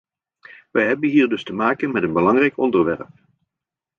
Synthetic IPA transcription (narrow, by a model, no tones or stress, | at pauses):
ʋɛjɦɛbənɦiːɹdɵstəmaːkənmɛtənbəlɑŋrɛjkɔndəɹʋɛɹp̚